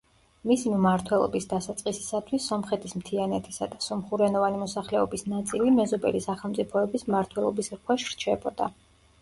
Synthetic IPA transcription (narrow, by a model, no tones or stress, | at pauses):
misimmaɾt̪ʰwɛlˠɔ̰bisd̪asat̪sʼqʼisi̥sat̪ʰwisːɔmχɛt̪ʰismt̪ʰianɛt̪ʰisad̪asɔmχuɾɛnɔvanimɔsaχlɛɔbisnat̪sʼilimɛzɔbɛ̰lisaχɛlˠt̪sʼipʰɔɛbismmaɾt̪ʰwɛlˠɔbisɾkʰwɛʃɾt͡ʃʰɛbɔd̪a̰